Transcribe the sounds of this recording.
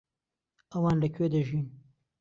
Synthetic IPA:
ɐwɑːnlɐkʰeːd̪ɐʒim

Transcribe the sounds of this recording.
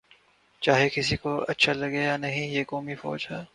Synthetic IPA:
t͡ʃaːɦekɪsikoɐ̰tːʃʰalɐɡejaːnɐɦĩjeːkɔːmifɔ̰ːd͡ʒɦɛː

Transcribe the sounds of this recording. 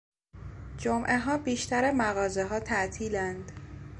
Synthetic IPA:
d͡ʒomʔeɦɒːbiːʃt̪æɾemæɣɒːzeɦɒːt̪ʰæʔt̪ʰiːlænd̪̥

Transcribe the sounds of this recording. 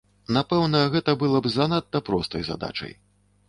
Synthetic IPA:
napɛwnɐɣɛt̪ɐbɨlˠɐbzanat̪ːɐpɾɔst̪ɐjza̰d̪a̰t͡ʂɐ̰j

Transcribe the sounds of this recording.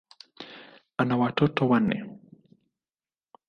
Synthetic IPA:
anawatotowanɛ̰

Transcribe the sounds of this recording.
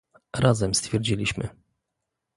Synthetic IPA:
ɾazɛmst̪fʲjɛɾd͡ʑilʲiɕmɘ̰

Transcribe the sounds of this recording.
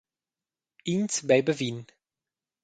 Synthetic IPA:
insbɛjbəvin

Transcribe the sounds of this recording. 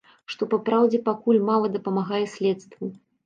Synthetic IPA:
ʂt̪ɔpapɾawd͡zʲɛpakulʲmalˠɐd̪ɐpɐmaɣajɛsʲlʲɛt̪st̪vu

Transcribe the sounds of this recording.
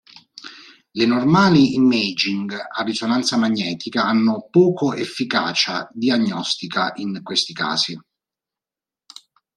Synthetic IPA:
lenormaːliimːed͡ʒiŋɡarːisonant̪samaɲːɛːt̪ikaanːʊpɔːkoʔefːika̰ːt͡ʃad̪iaɲːɔst̪ikaʔiŋkwest̪ika̰ːsi

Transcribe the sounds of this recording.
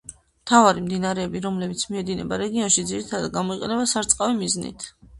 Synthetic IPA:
mt̪ʰavaɾimd̪inaɾɛːbiɾɔmlɛbit̪sʰmiɛd̪inɛ̰baɾɛɡiɔnʃid̪ziɾit̪ʰad̪ad̪̚ɡamɔiqʼɛnɛbasaɾt̪sʼqʼavimiznḭt̪ʰ

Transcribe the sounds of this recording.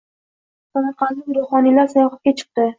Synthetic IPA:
samɑɾqɑnlɪkʲɾʊχɒnilaɾsajɒχat̪̚kʲat͡ʃʰɨ̥q̚t̪ɪ

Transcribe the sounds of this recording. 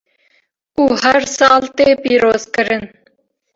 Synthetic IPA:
uhæɾsɑlˠt̪epiɾozkəɾɘn

